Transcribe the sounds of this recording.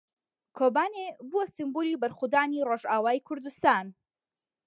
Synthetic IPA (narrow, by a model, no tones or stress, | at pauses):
kʰoːbaːnebuɐsimbulibɐɾxud̪aːniroʒaːwaːjkʰʊɾd̪ust̪aːn